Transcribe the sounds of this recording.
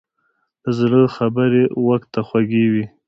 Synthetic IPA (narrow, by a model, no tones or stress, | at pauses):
zləxabəɾewaxt̪ːaxwaɡewi